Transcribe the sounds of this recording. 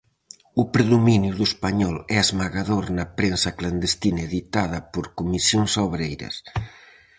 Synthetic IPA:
ʊpɾeðominjuðʊespaɲɔlɛazmaɣaðoɾnɐpɾensɐkland̪est̪inɐeðit̪að̞ɐpoɾkumisjoŋsoβɾejɾɐ̰s

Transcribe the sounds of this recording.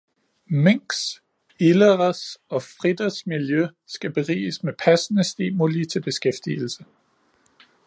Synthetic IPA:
meŋ̰ɡs | ilɐʁɐsɒ̽fʁid̥ɐsmiljø | sɡ̥æb̥e̝ʁḭːsmepʰæsənəsd̥ḭːmulit͡sʰe̝lb̥e̝sɡ̥efd̥il̩sə

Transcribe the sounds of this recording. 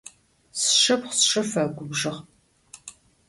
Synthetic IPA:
sʃɐpχsʂɐfɐɡʷʊbʒɨʁ

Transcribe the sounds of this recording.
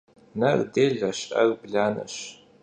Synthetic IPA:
nɐrdeːɮɐɕɐ̰rbɮaːnɐ̰ɕ

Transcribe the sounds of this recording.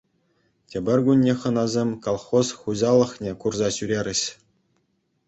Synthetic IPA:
tʲĕbʲɘ̆rʲɡunʲːeχɤ̆nɑzʲemʲkolˠχosχuʑɑlˠɤ̆χnʲekurzɑɕyɾʲeɾʲɘ̆ɕ

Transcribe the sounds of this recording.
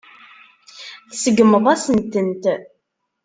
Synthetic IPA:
θsəɡəməðˤæsənt̪ənt̪

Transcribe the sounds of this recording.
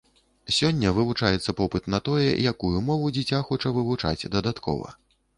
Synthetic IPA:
sʲɔnʲːɐvɨvut͡ʂajɛt̪sːɐpɔpɨt̪nɐt̪ɔjɛ̰jakujumɔvud͡zʲit͡sʲaxɔt͡ʂɐvɨvut͡ʂa̰d͡zʲd̪ɐd̪at̪kʰɔ̰vɐ̰

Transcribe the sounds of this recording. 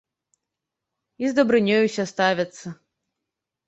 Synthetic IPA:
izd̪ɐbɾɨnʲɔjusʲɐst̪avʲɐt̪sːɐ

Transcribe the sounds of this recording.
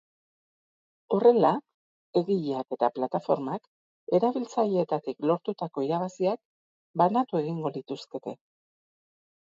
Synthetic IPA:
o̞re̞la | e̞ɣiʎake̞t̪aplat̪afo̞ɾmak | e̞ɾaβilt͡saʎeet̪at̪iklo̞ɾt̪ut̪ako̞iɾaβasiak̚ | banat̪ue̞ɣ̞iŋɡo̞lit̪uske̞t̪e̞

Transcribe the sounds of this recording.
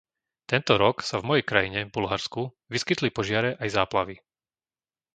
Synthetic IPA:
t̪ɛnt̪ɔɾɔksavmɔjɛjkɾajiɲɛvbulɦaɾsku | ʋiskit̪lipɔʒɪaɾɛʔajzaːplaʋi

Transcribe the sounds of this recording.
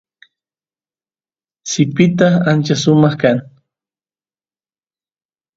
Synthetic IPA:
sɪpɪt̪aant͡ʃasʊmɑχkaŋ

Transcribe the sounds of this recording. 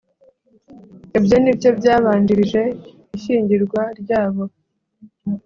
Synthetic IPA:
ibjo̞nibjo̞bjaːβaːndiɾiʒe̞ | iʃiːɲɟiɾɡwaɾɟaːβo̞

